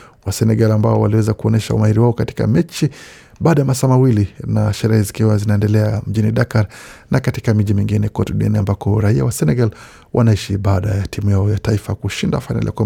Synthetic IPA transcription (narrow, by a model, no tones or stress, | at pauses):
wasɛnɛɡalambaɔwaliwɛzakuɔnɛʃa̰ṵmahiɾiwaɔkati̥ka̰mɛt͡ʃi | ɓaːɗajamasaːmawilinaʃɛɾɛhɛzikiwazinaɛndɛlɛam̩ʄiniɗakaɾnakatikamiʄimiŋɡinɛkɔtuɗiɛ̰niambakɔɾaia̰wasɛnɛɡal | wʔa̰naiʃiɓaːɗajatimujaɔjataifakuʃindafajna̰lḭa̰kwa